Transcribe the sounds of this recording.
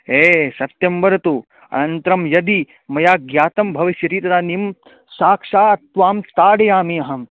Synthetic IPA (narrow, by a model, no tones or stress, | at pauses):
eːsɐt̪jɐmbɐɾɐt̪u | ɐ̰nɐnt̪ɾɐmjɐd̪i | mɐjaːɡjaːt̪ɐmbʱɐʋiʃjɐɾiːt̪ɐd̪aːnim | saːkʂaːɐt̪ʋaːmt̪aːɽɐjaːmiɐɦɐm